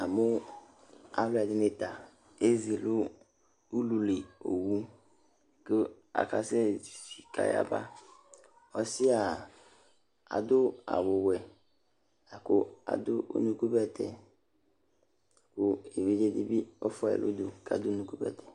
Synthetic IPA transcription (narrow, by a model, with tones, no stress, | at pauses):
a˨mʊ˦ | a̰˦lʊ˦ɛ˨dɪ˦nɪ˨t̪a˨ | e˦zi˨lʊ˦ | u˦lu˨le˨o̰˨wu˦ | kʊ˦ | a̰˨ka˨sɛ˦˨si˨ka̰˨ja̰˨ba̰˦ | ɔ˦sɪ˦a˨ | a̰˨d̪ʊ˦a̰˨wʊ˨wɛ˨ | a˨kʊ˦a̰˨d̪ʊ˦ʔo̰˦nũ˦ku˦bɛ˦t̪ʰɛ̰˨ | a˨kʊ˦e˨wi˦d͡ʒe˦di˦bi˦ɔ̰˦fɔ˦ɛ̰˨lʔʊ̰˦d̪ʊ˨ka˨d̪ʊ˦nu˦ku˦bɛ̰˨t̪ʰɛ̥˨